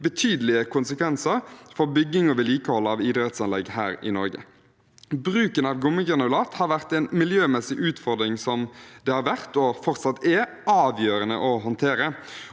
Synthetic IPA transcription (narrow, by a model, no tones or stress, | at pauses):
bət̪ʰyːd̪əlɪəkʰʊnsəkʰʋɛnsəʁfɔɾbʏɡːɪŋɔʋɪliːkəhɔlːəɑʋɪd̪ɾɛt̪sɑnlɛɡhæːɾɪ̰nɔ̰ɾɡə̰ | bʁʉːkənɑːʋɡʊmːəɡʁɛnəlɑːt̪hɑːɾʋæʁt̪ɛːnmɪljøːmɛsɪʔʉːt̪fɔʁd̪ɾɪŋsɔmd̪ɛhɑːɾʋæʁt̪ɔfɔʁt̪sɑt̪ːɛ | ɑːʋjøːɾənə̰ʔɔɦɑnt̪ʰeːɾə